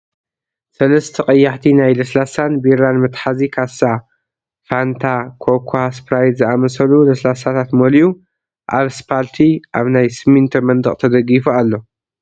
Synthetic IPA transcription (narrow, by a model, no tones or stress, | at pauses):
sɐlɐst̪ʰɐχʼɐjːaħt̪ʰinajlɐslasanbiɾanmɨt̪ħazikʰasa | fant̪ʰakʰokʰhaspɾajd̪zɨʔamɐsɐlulɐslasat̪ʰat̪moliju | ʔaβspʰalt̪ʰiʔaβnajsɨmint̪ʰɐmɐnd̪ɨχʼt̪ʰɐd̪ɐɡifualːo̞